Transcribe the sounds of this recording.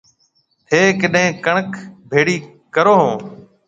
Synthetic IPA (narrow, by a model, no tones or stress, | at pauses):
heːkəɗɦẽːkəɳəkʰbʱeːɽiː | kəɾoːɦõː